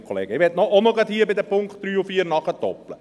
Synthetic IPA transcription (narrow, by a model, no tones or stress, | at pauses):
kʰɔlḛːɡəɪʋɛtnɔɔməlˠɡɑt̪hiːəbɪd̪ɛpʊŋkχt̚d̥ɾyːʊfiːɾnɑχətɔplə